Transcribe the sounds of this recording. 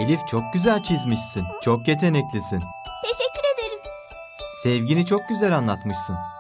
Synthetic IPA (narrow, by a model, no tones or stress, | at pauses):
elʲift͡ʃʰo̞k̚ɟyzælʲt͡ʃʰizmiʃsint͡ʃʰokje̞t̪ʰe̞nɛclʲisin | t̪ʰeʃɛcʲːyɾed̪eɾɯm | sɛvɟinit͡ʃʰo̞k̚ɟyzælʲanlˠat̪mɯʃsɯn